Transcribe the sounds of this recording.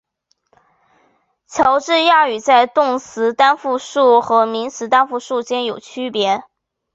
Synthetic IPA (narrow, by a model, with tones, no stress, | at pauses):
t͡ɕʰjɑ˧˥ʊʈ͡ʂɻ̩˥˧ja˥˩y˨˩t͡sa˥˧ɪt̪ʊ˥˩ŋsɹ̩˧˥t̪a˥nfu˥˧ʂu˥˩xɤ˧˥mi˧˥nsɹ̩˧˥t̪a˥nfu˥˧ʂu˥˩t͡ɕjɛ˥njo˨˩ʊt͡ɕʰy˥pjɛ˧˥